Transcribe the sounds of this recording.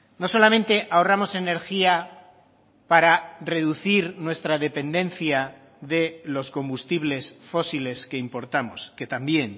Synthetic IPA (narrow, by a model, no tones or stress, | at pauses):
no̞so̞lamẽnt̪e̞ʔao̞ramo̞se̞ne̞ɾxia | paɾare̞ðuθiɾnwe̞st̪ɾaðe̞pe̞nd̪ẽ̞nθja | ðe̞lo̞skõ̞mbust̪iβle̞sfo̞sile̞ske̞impo̞ɾt̪amo̞̰ske̞t̪ambje̞n